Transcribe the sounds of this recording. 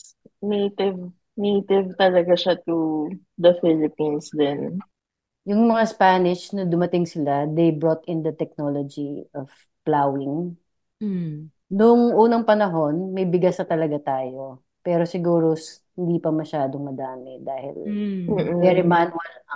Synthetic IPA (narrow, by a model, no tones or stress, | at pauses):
nejt̪ɪv | nejt̪ɪvt̪ɐlɐɡaʃat̪u | d̪ɐfɪlɪpinsd̪ɛn | jʊŋmɐŋaspaːnɪʃnɐd̪ʊmɐt̪ɪŋsɪlad̪ejbɹoːt̪ɪnd̪ɐt̪ɛk̚nolod͡ʒiʔɔv̥ | plawɪŋ | nʊŋʔuːnɐŋpɐnɐɦo̞nmɐjbɪɡasɐt̪ɐlɐɡat̪aːjo̞ | pɛːɾo̞sɪɡuːɾos | hɪnd̪iːpɐmɐʃaːd̪oŋmɐd̪aːmɛd̪aːhɪ̰l̩ːʔ̩vɛɾɪmanwɐl